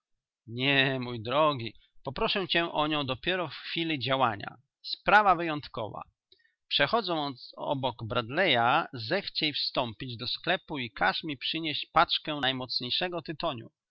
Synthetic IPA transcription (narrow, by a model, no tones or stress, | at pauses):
ɲɛmujd̪ɾɔɡʲi | pɔpɾɔʂɛt͡ɕɛʔɔɲɔ̃w̃d̪ɔpʲjɛɾɔfxfʲilʲid͡ʑawaɲa̰ | spɾavavɘjɔnt̪kɔ̰va̰ | pʂɛxɔd̪zɔ̃w̃ɔ̰bɔɡbɾad̪lɛjazɛxt͡ɕɛjfst̪ɔmpʲid͡ʑd̪ɔsklɛpuikaʂmʲipʂɘɲeɕt͡ɕpat͡ʂkɛnajmɔt̪sɲejʂɛɡɔt̪ɘt̪ɔɲṵ